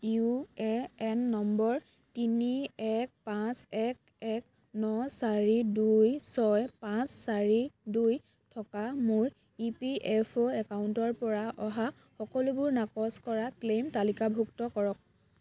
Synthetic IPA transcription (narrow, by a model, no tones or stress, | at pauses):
uɛɛnːɔmbɔɹ | tiniɛk̚pãsɛk̚ | ɛk̚ | nɔsaɹidujsɔjpãsːaɹiduj | tʰɔkamʊɹ | ipiʔɛpʰoɛkauntɔɹpɔɹaʔɔɦa | xɔkɔlubʊɹnakɔskɔɹaklemtalikabʱuktɔkɔɹɔk̚